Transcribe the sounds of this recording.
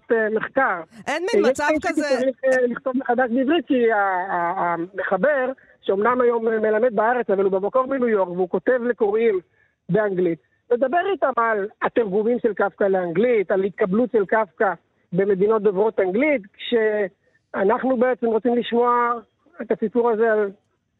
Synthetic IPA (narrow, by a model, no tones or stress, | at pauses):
tmeχkaʁjeʃaiekit͡saʁiχliχt̪o̞vbeχad̪aʃbeivʁit̪̚kiaː | me̞χabe̞ʁ | ʃeomnamajo̞mme̞lame̞d̪̚baaʁe̞t͡savalubemako̞ʁminujo̞ʁkveuko̞t̪e̞vle̞koʁim | be̞aŋɡlit̪ | le̞d̪abe̞ʁit̪amalat̪eʁɡumimʃe̞lkafkaleaŋɡlit̪alahit̪̚kablutʃelkafka | be̞me̞d̪ino̞t̪̚dovʁo̞t̪aŋɡlit̪kʃe | anaχnubeet͡se̞mʁot͡simliʃmo̞a | et̪asipuʁaze̞al